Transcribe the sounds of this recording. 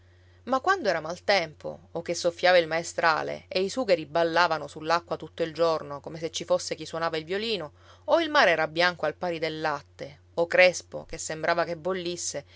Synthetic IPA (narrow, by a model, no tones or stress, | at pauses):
makwand̪oɛːɾamalt̪ɛmpo̰ːk̟ːesːofːjaːvailmaest̪ɾa̰ːlḛeisuːɡeɾibalːaːvanosulːakːwat̪ut̪ːoild͡ʒornokomes̬et͡ʃːifosːek̟iswonaːvailvjoliːno | oilmaːɾeɛːɾabjaŋkoalpaːɾid̪elːat̪ːe | okɾɛspo̰kesːembɾʔaːvakebːolːisːe